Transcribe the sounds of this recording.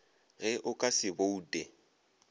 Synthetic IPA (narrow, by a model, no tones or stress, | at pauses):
ɣɛʔʊkʼasɪbouːdʼe